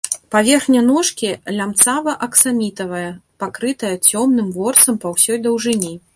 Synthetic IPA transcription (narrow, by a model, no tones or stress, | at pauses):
pavʲɛrxnʲɐnɔʂkʲilʲamt̪savɐʔɐksamʲit̪ɐvɐjɐpakɾɨt̪ɐjɐt͡sʲɔmnɨmvɔrt̪sɐmpɐwsʲɔjd̪ɐwʐɨnʲi